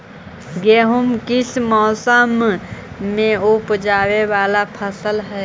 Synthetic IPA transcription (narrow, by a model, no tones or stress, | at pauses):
ɡeːɦʊmkɪsmɔːsəmː | ẽʊpd͡ʒaːwewaːlapʰəsəlɦɛː